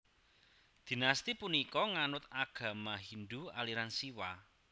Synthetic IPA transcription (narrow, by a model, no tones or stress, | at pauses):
d̪̥i̤nast̪ipunikɔŋanʊt̪aɡ̥ä̤maɦind̪ua̰liɾansiwa